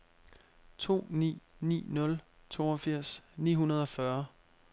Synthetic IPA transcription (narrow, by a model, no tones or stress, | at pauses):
t͡sʰo̝̰ːnḭːnḭːnɔ̽lt͡sʰo̝̰ːɒfiɐ̰snḭːɦunɐð̞ˠɒ̽fɶɐ